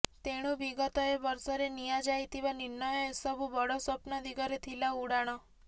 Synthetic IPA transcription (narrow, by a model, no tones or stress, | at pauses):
t̪eɽ̃oʋiɡət̪oeʋəɾsɔɾenijad͡ʒait̪iʋaniɾnəjɔsəbubəɽosəpnɔd̪iɡəɾet̪ʰilauɽaɽ̃o